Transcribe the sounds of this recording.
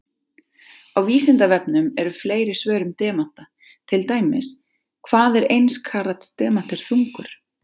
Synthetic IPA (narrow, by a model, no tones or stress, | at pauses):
awviːsɪnt̪avɛpnʏmɛɾʏfleːjɾɪsvœːɾʏmt̪ɛːman̥t̪a | t̪ʰɪlt̪aːjmɪs | kʰvaːðɛɾejnskʰaɾat̪st̪ɛːman̥t̪ɪɾ̥θuŋkʏɾ̥